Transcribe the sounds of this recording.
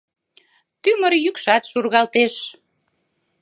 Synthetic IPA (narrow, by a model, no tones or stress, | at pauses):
t̪yməɾjykʃɑt̪ʃurɣɑlt̪eʃ